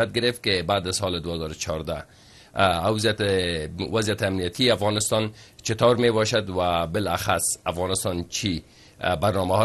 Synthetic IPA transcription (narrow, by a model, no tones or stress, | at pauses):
at̪̚ɡɪɾɪft̪̚kebaːd̪azsɔled̪ʊhazɔɾʊt͡ʃʰɒɾd̪a̰ | awzijat̪ | wazjat̪ɪamnijat̪ʰiafɣɑnɪst̪ɑnt͡ʃɪt̪ɑɾmebɔʃad̪wabɪlaxasafɣɑnɪst̪ɑnt͡ʃʰi | baɾnɔmaɦɔ